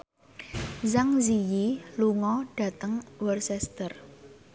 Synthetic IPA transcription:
zaŋzijiluŋɔɖ̥ä̤t̪əŋwərsɛst̪ər

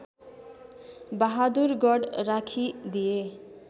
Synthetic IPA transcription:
baɦad̪uɾɡɔɖɾakʰid̪ije

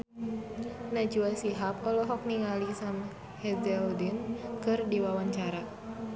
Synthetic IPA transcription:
nad͡ʒuasiɦap̚ɔlɔɦɔk̚niŋalisam | hɛdɛldinkɨrdiwawaɲt͡ʃaɾa

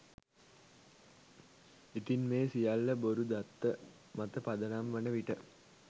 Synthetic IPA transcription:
it̪inmeːsijalːɐboɾud̪ɐt̪ːə | mɐt̪əpɐd̪ɐnamʋɐnəʋiʈə

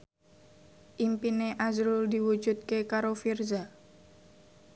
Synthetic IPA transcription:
ʔimpineʔazɾuld̪iwu̥d͡ʒut̪̚kekaɾofirza

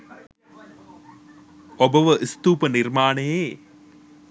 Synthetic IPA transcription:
obəʋəʔist̪uːpənirmaːnejeː

